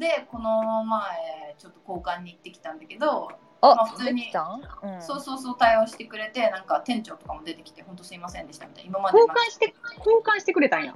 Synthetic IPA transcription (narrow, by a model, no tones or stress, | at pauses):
d̪e̞ko̞nomaet͡ɕo̞t̪ːo̞ko̞ːkãɲ̟ːiːt̪ːe̞kʲi̥t̪ãnd̪ake̞d̪o̞ | maɸɯ̥t͡sɨɲ̟it̪ãso̞ːsoːso̞ːt̪aioːɕi̥t̪e̞kɯ̟ɾe̞t̪e̞nãŋkat̪ẽ̞ɲ̟t͡ɕo̞ːt̪o̞kamo̞d̪e̞t̪e̞kʲi̥t̪e̞hont̪o̞sɨɾimasẽnd̪e̞ɕi̥t̪amit̪a̰imamad̪oːkãɰ̃ɕi̥t̪ekoːkãɰ̃ɕi̥t̪e̞kɯ̟ɾe̞t̪ãja̰